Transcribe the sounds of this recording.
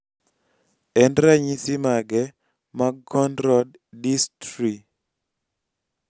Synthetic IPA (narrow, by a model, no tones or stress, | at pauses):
ɛndɾaɲisimaɡɛ | makɔndɾɔd | distɾi